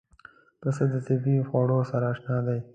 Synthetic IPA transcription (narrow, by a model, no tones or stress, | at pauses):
pəsəd̪ət̪ɪbixoɽosaɾaːʃnɑd̪aj